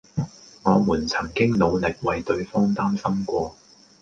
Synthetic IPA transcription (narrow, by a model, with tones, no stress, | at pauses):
ŋɔː˨˧muː˨˩nt͡sʰɐ˨˩ŋkɪ˥ŋlo˨˧wlɪ˨k̚wɐ˨˧jt̪ɵ˨˧ɥfɔː˥ŋt̪aː˥msɐ˥mkʷɔː˧